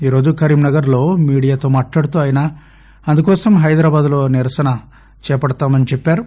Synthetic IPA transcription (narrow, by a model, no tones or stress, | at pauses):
iːɾo̞ːd͡ʒukɐɾiːmnɐɡɐɾlo̞ːmiːɽijaːt̪o̞ːmaːʈlaːɽut̪uɐːjinaː | ɐnd̪ukɔːsɐmɦɐjd̪ɾaːbaːd̪ulo̞ːniɾɐsɐnɐ | t͡ʃɛːɐpɐɽɐt̪aːmɐnit͡ʃɛpːaːɾu